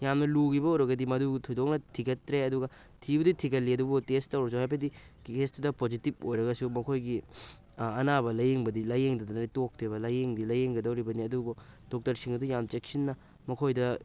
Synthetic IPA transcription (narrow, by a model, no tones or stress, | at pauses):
jamnɐluɡibɐuwɾɐɡɐdimɐdutʰojdok̚nɐtʰiɡɐtːɾeɐduɡɐ | tʰibuditʰiɡɐlːiɐdubutestːɐwɾɐs̬uɦajpʰɐdi | estdɐpod͡ʒitip̚ojɾɐɡɐsumɐkʰojɡi | ɐnaβɐlɐjeŋbɐdilɐjeŋdɐdɐnɐtok̚tʰeβɐlɐjeŋdilɐjeŋɡɐdɐwɾibɐniɐdubo | d̥ok̚tɐɾsiŋɐdujamt͡ʃek̚sinːɐ | mɐkʰojdɐ